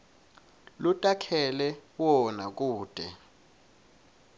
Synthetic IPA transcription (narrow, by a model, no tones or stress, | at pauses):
lutʼakʰɛlɛwɔnak̬ʼuːd̥ʱɛ